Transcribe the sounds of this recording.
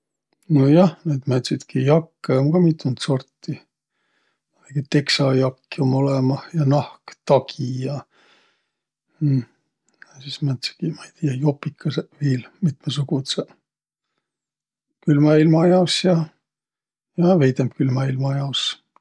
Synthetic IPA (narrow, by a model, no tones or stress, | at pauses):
nojɑhned̪mæt̪sit̪kijɑkːeoŋɡɑmit̪ːˑunt̪so̞rt̪ːi | ɑleɡ̥it̪e̞ksɑjɑkːiomolemɑjɑnɑhkt̪ɑkʰijɑ | ɑsismæt̪si̥kimɑit̪ijɑjopːikʰːɑseviːlmit̪mesuɡut̪se | kylmɑilmɑjɑsjɑ | jɑvejd̪emkylmɑilmɑjɑs